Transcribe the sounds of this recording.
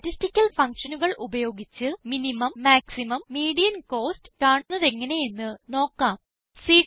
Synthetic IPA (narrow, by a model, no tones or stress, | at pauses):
ʈistikʲːɐlfɐŋkʂɐnuɣɐɭʔubɐjo̞ːɡit͡ɕːɨminimɐmːaːksimɐmːiːɽijɐnko̞ːstɨ̥kaːɳunːɐðe̞ŋːɐne̞jenːɨno̞ːkːaːm | siː